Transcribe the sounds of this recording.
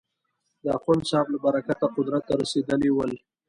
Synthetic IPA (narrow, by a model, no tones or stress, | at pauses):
d̪əaxansɑflabaɾakat̪aqʊd̪ɾat̪ːaɾased̪əlewəl